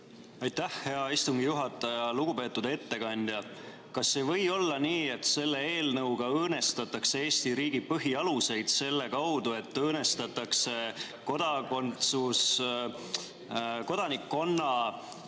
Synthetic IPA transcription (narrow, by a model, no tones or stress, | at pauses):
ɑjt̪ːæhhe̞ɑist̪uŋɡ̥ijuɦɑt̪ːˑɑjɑluɡupe̞ːt̪ːˑud̪e̞t̪ːe̞kɑnʲd̪̥ʲjɑ | kɑsːe̞vɤ̞jo̞lːɑniːe̞t̪se̞lːe̞e̞ːlnɤwɡ̥ɑɤːne̞st̪ɑt̪ːˑɑksee̞ːsʲt̪iɾiːɡ̥ipɤɦiɑluse̞jd̪̥se̞lːe̞kɑwd̪̥ue̞t̪ːɤːne̞st̪ɑt̪ːˑɑkse̞ | ko̞d̪̥ɑkont̪sus | ko̞d̪̥ɑnikːo̞nːɑ